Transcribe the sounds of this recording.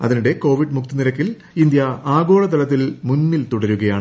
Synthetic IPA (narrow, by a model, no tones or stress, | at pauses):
ɐ̰ðinuɽe̞ko̞ːʋiɖmukt̪iniɾɐkːil | ind̪jɐaːɡo̞ːɭɐt̪ɐɭɐt̪̬ːilmunːilt̪uɽɐɾuɣɐjaːɳɨ